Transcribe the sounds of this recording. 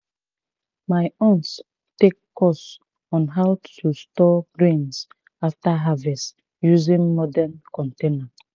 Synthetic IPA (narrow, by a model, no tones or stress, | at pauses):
maɪɔ̃nts | tekː | ɔs | ɔ̃nɦawtʰustɔɡɹẽns | aftaɦavɛs | juzĩŋmɔdɛnkʰɔ̃ntẽna